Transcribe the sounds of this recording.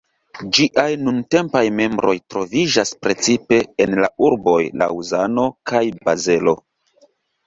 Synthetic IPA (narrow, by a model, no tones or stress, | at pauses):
d͡ʒiʔajnunte̞mpajme̞mbɾo̞̰jtɾo̞vid͡ʒaspɾe̞t͡sipe̞enlauɾbo̞jla̰uzano̞kajbaze̞lo̞̰